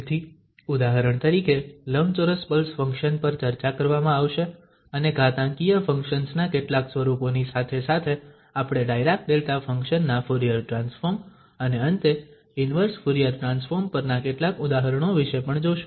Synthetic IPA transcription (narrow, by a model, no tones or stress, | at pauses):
t̪ʰi | ʊd̪aɦəɾəɳ̃t̪əɾikeləʋnt͡ʃoɾəspəlsfə̃ŋkʃənpəɾt͡ʃəɾt͡ʃakəɾʋamãaʋʃe | əneɡat̪ãŋkijəfʰə̃ŋkʃənsnakeʈlaksʋəɾuponisat̪ʰesat̪ʰe | apɽ̃eɖajɾak̚d̪elt̪afə̃ŋkʃənːafʊɾijaɾʈɾãnsfoɾm | əneənt̪e | ɪnʋəɾsfʊɾijəɾʈɾansfoɾmpəɾnakeʈlakʊd̪aɦəɾəɽ̃oʋiʃepəɳd͡ʒoʃ